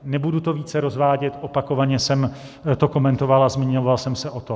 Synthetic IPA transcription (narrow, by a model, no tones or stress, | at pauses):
nɛbudut̪o̞viːt͡sɛɾo̞zvaːɟɛt̪ʔo̞pako̞vaɲɛsɛm | t̪o̞ko̞mɛnt̪ovalazmiɲovalsɛmsɛʔo̞t̪o